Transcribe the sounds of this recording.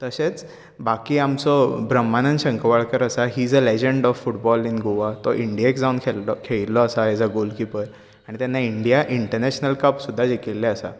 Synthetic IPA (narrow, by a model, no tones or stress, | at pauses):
t̪əset͡s | bakiːamt͡sɔbɾəmːanənɕə̃ŋkəʋaɭkəɾəsaɦiːd͡zəled͡ʑeɳɖɔfːuʈbɔlinɡoʋat̪ɔʔiɳɖijaekd͡zaunkʰelkʰeɭilːɔəsaed͡zaɡolkipəɾ | aɽ̃it̪janːaiɳɖijaʔiɳʈəɾnɛɕnəlkəpsud̪ʱːad͡ʑekilːɛəsa̰